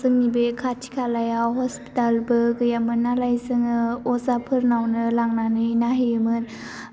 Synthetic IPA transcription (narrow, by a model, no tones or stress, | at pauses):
zɯŋnibekʰatʰi̥kʰalajaɦɔspi̥talbɯɡɯjamɯnːalajzɯŋɯɔzapʰɯɾnawnɯlaŋnanɯjnaɦimɯn